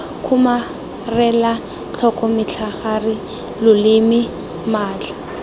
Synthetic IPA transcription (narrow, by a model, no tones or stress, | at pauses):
kʰʊma | rɛla | t͡ɬʰɔkʼɔmɪt͡ɬʰaχarɪ | lʊlɪmɪ | maːt͡ɬʰḁ